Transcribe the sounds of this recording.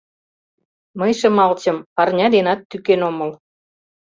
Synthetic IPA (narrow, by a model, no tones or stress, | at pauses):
məjʃə̆mɑlt͡ɕə̆mpɑrnʲɑd̪enɑt̪ːykenoməl